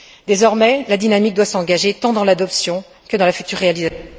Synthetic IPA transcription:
d̪ezɔʁmɛlad̪inamik̚d̪wasɑ̃ɡaʒet̪ɑ̃d̪ɑ̃lad̪ɔpsjɔ̃ | kəd̪ɑ̃lafyt̪yʁːealiza

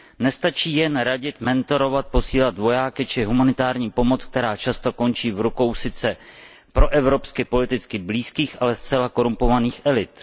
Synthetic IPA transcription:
nɛst̪at͡ʃiːjɛnɾaɟɪt̪mɛnt̪o̞ɾo̞vat̪̚po̞siːlat̪vo̞jaːkɪt͡ʃɪɦumanɪt̪aːɾɲiːpo̞mo̞t͡sk̚t̪ɛɾaːt͡ʃast̪o̞ko̞nt͡ʃiːvɾuko̞wsɪt͡sɛ | pɾo̞ʔɛvɾo̞pskɪpo̞lɪt̪ɪt͡skɪbliːskiːxʔalɛst͡sɛlako̞ɾumpo̞vaniːxʔɛlɪt̪

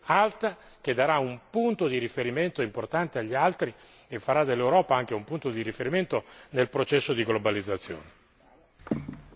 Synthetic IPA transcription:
alt̪a | k̟ed̪ːaɾaumpunt̪od̪iɾifeɾiment̪oimport̪ant̪eaʎːialt̪ɾi | efːaɾad̪ːelːewɾɔːpaaŋk̟eumpunt̪od̪iɾifeɾiment̪onelpɾot͡ʃɛsːod̪iɡlobalid̪zːat̪sːjo̰ːne

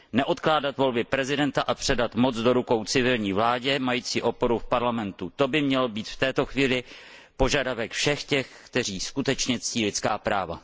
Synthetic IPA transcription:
nɛʔo̞t̪klaːdat̪vo̞lbɪpɾɛzɪdɛnt̪aʔapr̥ɛdat̪mo̞t͡sd͡zdo̞ɾuko̞wt͡sɪvɪlɲiːvlaːɟɛmajiːt͡siːʔo̞po̞ɾufpaɾlamɛnt̪ut̪o̞bɪmɲɛlobiːt̪ft̪ɛːt̪o̞xviːlɪ | po̞ʒadavɛkfʃɛxcɛxkt̪ɛr̝iːskut̪ɛt͡ʃɲɛt͡sciːlɪt͡skaːpɾaːva̰

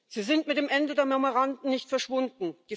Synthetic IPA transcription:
z̥iːzɪntmɪt̚d̥eːmʔɛndədeːɐmɛmoʁandn̩nɪçtfɛɐʃv̥ʊndn̩d̥iː

